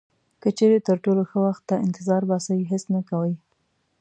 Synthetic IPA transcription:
kət͡ʃeɾet̪əɾʈoloxəwaxt̪ːaɪnt̪ɪzɑɾbɑsəjɦɪsnakawəj

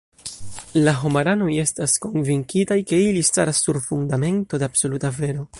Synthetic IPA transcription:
laɦomaɾano̞je̞stasko̞nviŋkitajke̞ilista̰ɾasːuɾfundame̞nto̞deabso̞lutave̞ɾo̞

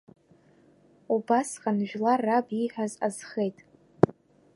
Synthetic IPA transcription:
ubasqʼanʒᶣlarːabiħʷᶣazazχejtʼ

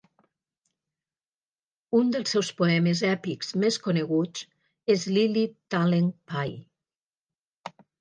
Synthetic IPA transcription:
und̪elˠsːɛwspoɛmezɛpikz̥meskoneɣut͡s | ezlilit̪aleŋpaj

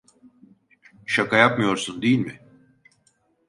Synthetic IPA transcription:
ʃakʰajapmɯjo̞ɾsund̪ejilʲmɪ

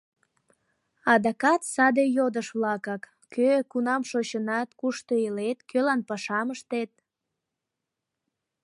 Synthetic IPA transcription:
ɑd̪ɑkɑt̪sɑd̪ejod̪əʃβlɑkɑk | køkunɑmʃot͡ɕənɑt̪kuʃt̪oelet̪kølɑnpɑʃɑməʃt̪et̪̚

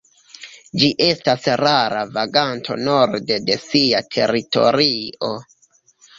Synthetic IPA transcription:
d͡ʒiʔe̞stasraɾa̰vaɡantʰo̞̰no̞ɾdede̞siatʰe̞̰ɾito̞̰ɾio̞

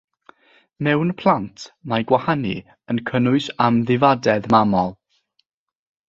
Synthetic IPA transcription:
mɛwnpʰlˠantʰmajɡwahanḭ | ənkʰənʊɨsamðɪvadɛðmamɔlˠ

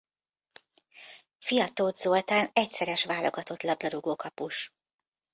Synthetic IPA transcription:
fijɒt̪oːd̪zolt̪aːnɛcsɛɾɛʃʋaːlo̞̰ɡɒt̪o̞t̪lɒblɒɾuɡoːkɒpuʃ

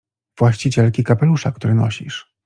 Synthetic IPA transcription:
v̥waɕt͡ɕit͡ɕɛlkʲikapɛluʂakt̪uɾɘnɔ̰ɕḭʂ

